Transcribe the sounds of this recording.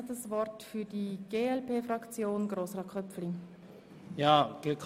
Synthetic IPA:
dəsvɔrtfyɾdiɡ̥eːɛlpʰeːfʁɑkt͡sjoːnɡ̥ɾoːsʁɑkʰœpfliŋ | jaːɡ̥əkʰ

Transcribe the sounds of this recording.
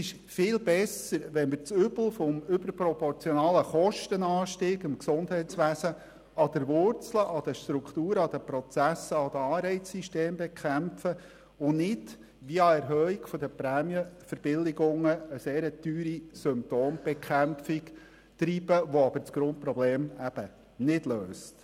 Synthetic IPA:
sɪʃ | fɪːlbɛsəɾʋɛnmɪɾt͡sʏbl̩fɔmʏbəɾpɾɔpɔɾt͡sjɔnɑːləχɔʃtənɑːʃtiːɡɪmksʊndɦɛɪtt͡sʋæsə | ɑd̥̪əɾʋʊɾt͡sləʔɑd̪əʃt̪ɾukχt̪uːɾəɑd̥̪əpɾɔt͡sæsəɑd̥̪əɑːɾɛɪt͡ssiʃteːmbɛkʰæmpfə | ʊnɪd | ʋiɑɛɾɦœːikfɔd̪əpɾæːmjəfəɾb̥ɪlɪɡʊŋːəːseːɾət̪yːɾisʏmp̚t̪oːmb̥ɛkχæmfik | tɾiːb̥əʋoɑbəɾt͡sɡ̥ɾʊnt̚pɾɔbleːmæb̥ə | nɪdløːst

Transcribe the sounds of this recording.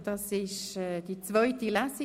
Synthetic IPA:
d̥ɑsɪʃɛːd̥it͡svœʏtilasi

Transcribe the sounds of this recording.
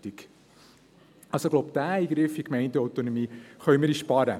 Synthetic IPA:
tik | ʔɑlsoɡloʊpd̥æːiːɡɾɪfikmɛɪntɛɔwt̪onɔmiːχœʏməɾiʃpɑɾə

